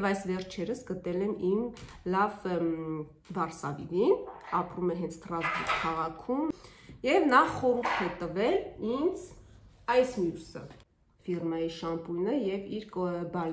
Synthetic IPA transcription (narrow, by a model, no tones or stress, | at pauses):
vɑjsvɛɾt͡ʃʰɛɾəsɡət̪ɛlɛnim | lɑv | vɑɾsɑvḭɾinɑpɾumɛɦɛnt͡sʰt̪ɾɑzburt̪kʰɑʁɑkʰumjɛvnɑχɔɾŋkʰɛt̪əvɛlind͡z | ɑjsmjusə̰ | firmɑjiʃɑmpujnəjɛviɾkbɑl